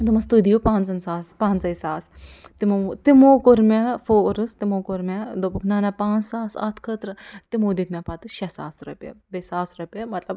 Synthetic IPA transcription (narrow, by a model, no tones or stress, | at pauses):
d̪umɐst̪ud̪ijopãːnt͡sɐnsaːspaːnt͡sɐjsaːst̪imot̪imoːkoɾmʲɐfoɾɨst̪imoːkoɾmʲɐd̪opukʰnaːnapãːnt͡ssaːsa̰t̪ʰkʰət̪ɾɐt̪imod̪it̪ʰmʲɐpat̪ɨʃɐsa̰ːsɾupʲjɐ̰bisaːsɾupʲɐmɐt̪lɐb